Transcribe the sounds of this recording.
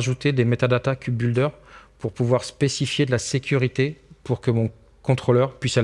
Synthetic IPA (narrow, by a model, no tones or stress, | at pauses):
ʒut̪ed̪emet̪ad̪at̪akʲʰybyld̪œʁpuʁpuvwaʁspesifjed̪əlasekʲyʁit̪epuʁkəmɔ̃ | kɔ̃t̪χolœʁpɥisɛl